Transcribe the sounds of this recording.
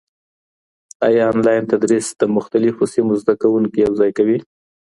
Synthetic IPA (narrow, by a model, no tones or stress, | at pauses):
ɑjɑːnlɑjnt̪ad̪ɾisd̪̥əmʊxt̪alɪfosimozd̪akawuŋkijawzɑjkawi